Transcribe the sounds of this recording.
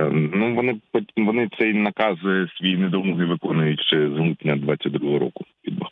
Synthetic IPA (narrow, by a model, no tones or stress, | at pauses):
nuʋɔnɪpɔʋɔnɪt̪sɛjnɐkɑzjsʲʋʲijinɛd̪ɔmɔɦiʋɪkɔnʊjʊtʲʃt͡ʃɛzut̪nʲːɐd̪ʋat̪ʲt͡sʲːɐt̚ʲd̪ɾuɣɦɔɾɔ̰kʊpʲid̪bɐx